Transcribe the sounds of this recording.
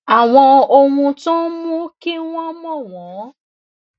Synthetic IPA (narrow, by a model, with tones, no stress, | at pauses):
a˨w̃ɔ̃˧o˧hũ˧tɔ̃˦mũ˦ki˦w̃ɔ̃˦mɔ̃˦˨wɔ̃˨˦